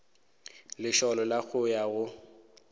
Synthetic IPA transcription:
lɪʃɔlɔlak͡xʰʊjaɣʊ

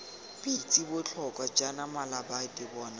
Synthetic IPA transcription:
pʼit͡sʼibʊt͡ɬʰɔkʼwad͡ʒanamalabadɪbɔːna

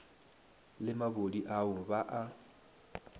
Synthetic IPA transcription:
lɪmaβodiʔaʊβaʔa

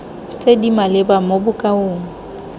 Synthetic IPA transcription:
t͡sʼedimalɪbamobʊkʼaoːŋ̩

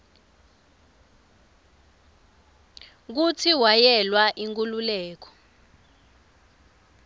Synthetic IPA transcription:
k̬ut͡sʰiwajɛlwaʔiŋk̬ʼululɛːk̬ɔ̥

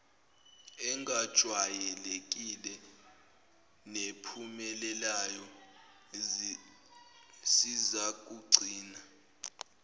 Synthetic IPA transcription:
ɛŋɡad̥ʒ̥ʱwajɛlek̬ʼilɛ | nepʰumɛlɛlajɔ | sizak̬ʼuɡ͡ǀʱiːna

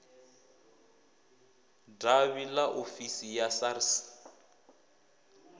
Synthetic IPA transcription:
daβilaʔofisijasaris

